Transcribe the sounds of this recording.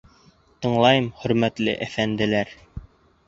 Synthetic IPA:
t̪ɤ̆ɴlˠɑjɤmχɵ̆ɾmæt̪lɘ̰ʔæfænd̪ɘ̆læɾ

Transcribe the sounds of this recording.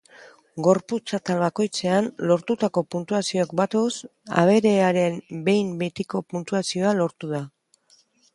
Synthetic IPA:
ɡo̞ɾput͡sat̪alβako̞jt͡se̞anlo̞ɾt̪ut̪ako̞punt̪uasio̞ekbat̪osa̰β̞e̞ɾe̞aɾe̞mbe̞jmbe̞t̪iko̞punt̪uasio̞alo̞ɾt̪uð̞a

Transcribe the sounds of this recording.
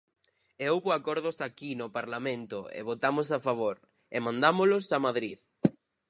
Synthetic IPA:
eowβoakɔɾðʊsakinopaɾlamẽnt̪ʊḛβot̪amos̬afaβoɾ | emãnd̪amolʊsamaðɾið

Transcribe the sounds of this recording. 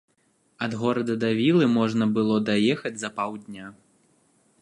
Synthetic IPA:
ɐd̪ɣɔɾɐd̪ɐd̪avʲilˠɨmɔʐnɐbɨlˠɔd̪ajɛxɐd͡zʲzɐpawd̪ʲnʲa

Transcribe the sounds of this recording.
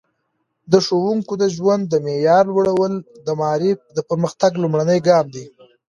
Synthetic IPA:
d̪əʃowuŋkod̪əʒwand̪ːəmejɑɾlwəɽawəld̪əmɑɾifd̪əpəɾməxt̪aɡlumɽanəjɡɑmd̪i

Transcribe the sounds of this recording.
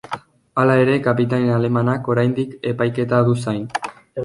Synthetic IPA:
alae̞ɾe̞kapit̪anenale̞manako̞ɾajnd̪ike̞pajke̞t̪aðusajn

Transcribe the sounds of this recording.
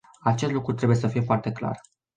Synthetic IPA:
at͡ʃe̞st̪lukɾut̪ɾebuje̞səfijefoart̪e̞kla̰r

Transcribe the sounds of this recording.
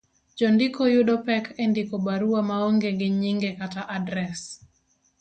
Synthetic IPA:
d͡ʒɔndikɔjudɔpɛkʰendikɔbaɾuwamaoŋɡeɡɪɲiŋɡekataʔadɾɛs

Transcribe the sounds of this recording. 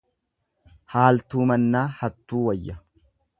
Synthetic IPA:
haːlt̪uːmɐnːaːhɐt̪ːuːwɐjːɐ

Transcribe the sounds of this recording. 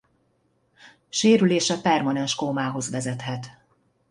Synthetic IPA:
ʃeːɾyleːʃɛpɛrmɒnɛnʃkomaːɦo̞zʋɛzɛt̪ɦɛt̪

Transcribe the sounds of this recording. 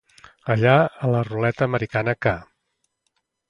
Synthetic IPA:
əʎaələrulɛt̪əːməɾikanəka

